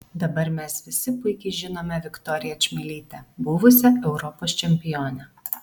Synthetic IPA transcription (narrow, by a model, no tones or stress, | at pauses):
d̪ɐbɐɾmʲɛsʋʲɪsʲɪpʊɪkʲɛɪʒʲɪnoːmʲɛʋʲɪkt̪ɔːɾʲɪjɛt͡ʃʲmʲɪlʲiːt̪ʲɛbʊʋʊsʲɛɛʊɾɔpoːst͡ʃʲɛmʲpʲɪjoːnʲɛ